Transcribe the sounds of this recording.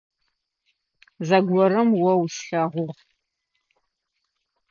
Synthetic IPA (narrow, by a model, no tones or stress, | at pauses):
zɐɡʷɔɾɐmwɐwɕɬɐʁʷʊʁ